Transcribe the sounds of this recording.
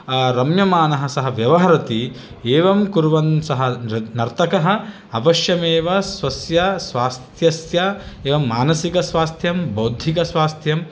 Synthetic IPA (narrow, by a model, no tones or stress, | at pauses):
ɾɐmjɐmaːnɐɦɐ̆sɐɦɐʋjɐʋɐɦɐɾɐt̪i | eːʋɐmkuɾʋɐnsɐɦɐnɐɾt̪ɐkɐɦɐ̆ | ɐʋɐʃjɐmeːʋɐsʋɐsjɐsʋaːst̪ʰjɐsjɐeːʋɐmːaːnɐsikɐsʋaːst̪ʰjɐmbɐwd̪ʱːikɐsʋaːst̪ʰjɐm